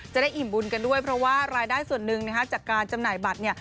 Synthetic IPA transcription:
t͡ɕa˨˩daː˥˩jʔi˨˩mbu˧nka˧ndu˥˩əjpʰɾɔ˦˥waː˥˩ɾaː˧jdaː˥˩jsu˨˩ənːɯ˧ŋna˦˥kʰa˦˥t͡ɕaː˨˩kːaː˧nt͡ɕa˧mnaː˨˩jba˨˩t̪̚ni˥˩ɐ

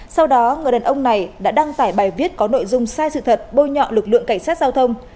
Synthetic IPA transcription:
sa˧wɗɔ˨˦ŋɨ˨˩əjɗəː˨˩ʔə˧wŋ͡mna˨˩jɗa̰ː˧˥ɗa˧ŋt̪aː˧˩jɓaː˨˩jvi˦˥ət̚kɔ˨˦no̰˧˨jzʊ˧ŋ͡msaː˧jsɨ̰˧˨t̪ʰə˨˩t̚ɓo˧ɲɔ̰˧˨lɨ˨˩k̚lɨ̰˧˨əŋka˧˩ŋ̟saː˦˥t̚zaː˧wt̪ʰə˧wŋ͡m

